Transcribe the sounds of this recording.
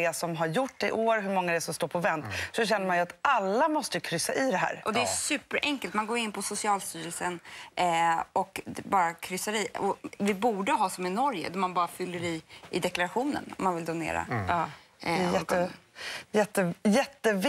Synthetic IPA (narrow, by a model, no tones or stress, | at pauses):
ɛsɔmɦaɾjʊʈːɪʔoːɾɦɵɾmɔŋːad̪ɛsɔmst̪oːɾpʰɔvɛnt̪sɔɕɛnːəɾmanjat̪ʔalːamɔst̪əjkʰɾʏsːaʔɪd̪ɛɦæ̰ːɾʔɔd̪ɛæsʉ̟ːpəɾʔɛŋkəlt̪manɡoːɾɪnːpʰɔsʊsɪɑːlst̪yːɾɛlsən | ɔkbɑːɾakʰɾʏsːaɾiɔvɪbuːɖəɦɑːsɔmɛnɔɾjə̰d̪æɾmanbɑːɾafʏlːəɾiːd̪ɛklaɾaɧuːnə̰nɔ̰mːanvɪld̪ʊnḛːɾa̰ɑː | ɛjɛːə | jɛt̪ːəjɛt̪ːəv